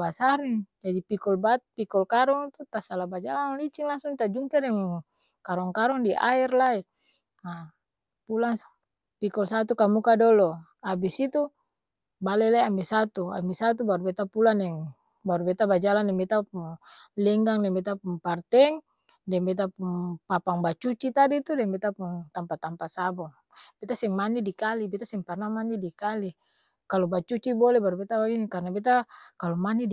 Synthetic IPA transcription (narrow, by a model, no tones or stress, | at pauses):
basaɾiŋd͡ʒadipikɔlbat̪̚pikɔlkaɾɔŋt̪ut̪asalabad͡ʒalanlit͡ʃiŋlaŋsuŋt̪ad͡ʒuŋkɛɾɛŋŋ | kaɾɔŋkaɾɔŋdiʔa̰irlai | a | pulaŋ | pikɔlsat̪ukamukadɔlɔ | abisit̪u | balɛlaiambɛsat̪ua̰mbɛsat̪̬ubaɾubɛt̪apulanɛŋ | baɾubɛt̪abad͡ʒalandɛŋbɛt̪apuŋ | lɛŋɡaŋdɛŋbɛt̪apuŋpart̪ɛŋ | dɛŋbɛt̪̬apuŋpapaŋbat͡ʃut͡ʃit̪adit̪udɛŋbɛt̪apuŋt̪ampat̪ampasabɔŋ | b̥ɛt̪asɛŋmanidikalibɛt̪asɛŋparnamanidikali | kalobat͡ʃut͡ʃibɔlɛbaɾubɛt̪abaɡinikarnabɛt̪̬akalomani